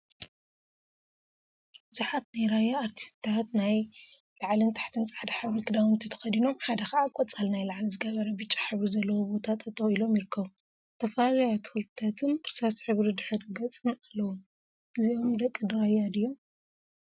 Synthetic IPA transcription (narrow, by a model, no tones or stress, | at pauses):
bɨzuħat̪najɾajaːɾt̪ʰi̥st̪t̪ʰat̪naj | laʕlɨnt̪ʰḁħt̪ʰɨnt͡sʼʕad̪aħɨβɾikʰɨd̪awɨnt̪ʰit̪ʰɐ̥xɐd̪ino̞mħad̪ɐxɐʔakʼɔt͡sʼalnajlaʕlizɨɡɐβɐɾɐbɨt͡ʃʼːḁħɨβɾizɐlːɐwobo̞t̪ʰat̪ʰɐt̪ʼɐwilo̞mjɪɾɨkʰːɐβu | t̪ʰɐfɐlalajat̪ʰɨ̥xɨlt̪ʰɐt̪ʰɨnɾsasħɨβɾid̪ɨħɨɾɡɐt͡sʼɨnalːɐwun | ʔɨzio̞md̪ɐkʼːɨd̪ɾajad̪ɨjom